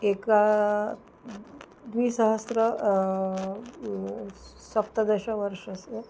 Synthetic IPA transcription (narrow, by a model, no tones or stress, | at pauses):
eka | d̪ʋiːsəɦəsɾə | sɐp̚t̪əd̪əɕaʋəɾʂəse